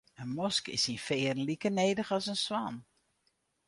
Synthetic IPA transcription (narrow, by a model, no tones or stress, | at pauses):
ənmɔskɪ̰sinfɪːrn̩likəneːdəxɔsənswan